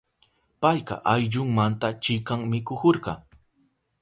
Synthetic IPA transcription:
pajqɑ̰ʔajʎʊŋmant̪at͡ʃɪkaŋmɪkʊkoɾqɑ

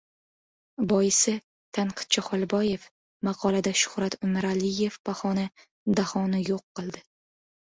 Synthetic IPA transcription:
bɒjɪsɪ | t̪ʰanqʰɨ̥t̪̚t͡ʃʰaχɒlˠbɒje̞f | mɑqʰɒlˠad̪aʃʊ̥hɾat̪ʰʊmɪɾalɪje̞fpaχɒna | d̪ahɒnɪjoqːɨlˠd̪ɪ

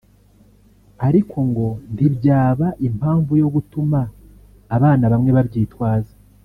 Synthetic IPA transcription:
aɾikʰo̞ŋɡo̞ntibɟaːβaʔim̥haːɱvujo̞ɡutumaː | βaːnaβamŋe̞βabɟiːtwaːza

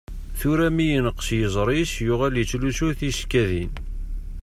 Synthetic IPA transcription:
θuɾæmijənəqːsjəzˤɾˤisjʊʁæljət͡sːlusʊɾθiʃkːæðin

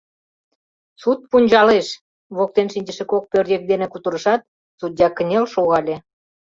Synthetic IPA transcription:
sut̪̚punʲd͡ʑɑleʃ | βok̚t̪enʃinʲd͡ʑəʃĕkok̚pørd̪ʲek̚d̪enĕkut̪əɾəʃɑt̪̚ | t͡sud̪̚ʲɑkə̆nʲelʃoɣɑlʲe

